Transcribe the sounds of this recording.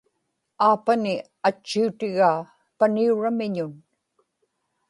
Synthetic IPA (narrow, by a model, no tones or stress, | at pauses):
aːpanɪ | at͡ʃːiut̪ɪɣaː | paniuɻamɪɲʊn